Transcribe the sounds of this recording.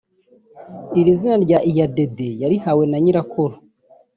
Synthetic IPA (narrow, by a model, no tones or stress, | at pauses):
iɾizinaɾɟaʔijade̞de̞jaɾihawe̞naɲiɾakʰoɾo